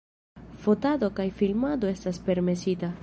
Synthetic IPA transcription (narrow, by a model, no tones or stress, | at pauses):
fot̪aðokajfilmad̪oest̪aspeɾmesit̪a